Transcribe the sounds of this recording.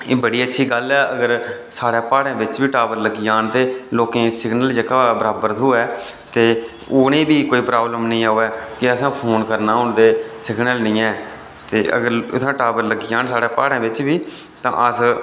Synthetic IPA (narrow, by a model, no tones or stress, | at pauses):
eːbəɽiːətːʃʰiːɡəlɛːəɡəɾ | saːɽẽːpaːɽãːbɪt͡ʃbiːʈaːbəɾləɡijaːnt̪eːloːkẽːsɪɡnəld͡ʒəkaːbəɾaːbəɾt̪ʰuːɛː | t̪eː | ʊːnẽːbiːkoːiːpɾaːbləmnəĩːaːoːɛːkɪəsãːpʰoːnkəɾnaːʊɳd̪eːsɪɡnəlnĩːɛː | t̪eːə̰ɡəɾʊt̪ʰãːʈaːbəɾləɡiːaːnsaːɽeːpaːɽẽːʋɪt͡ʃbiː | t̪ã̰ːʔəs